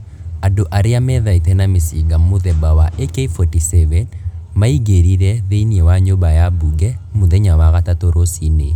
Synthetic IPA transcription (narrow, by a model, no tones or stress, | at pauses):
adoʔaɾɪamɛðaitɛnamisiɡamʊðɛbawaʔekeifotisɛvɛnmaiɡeɾiɾɛðeniewaɲobajabuɡɛmuðeɲawaɣatatoɾosine